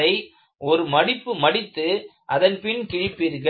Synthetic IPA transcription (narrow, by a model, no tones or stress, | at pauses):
ɐɪ | ɔɾɯmɐɽɪpːɯmɐɽɪt̪ːɯʔɐðɐnpɪnkɪɻɪpːɪɾɣɐ